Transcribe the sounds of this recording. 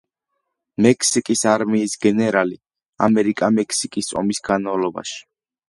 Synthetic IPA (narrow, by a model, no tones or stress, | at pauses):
mɛkʰsikʼisaɾmiːsɡɛnɛɾali | a̰mɛɾikʼamɛkʰsikʼisɔ̰misɡanmavlˠɔba̰ʃi̥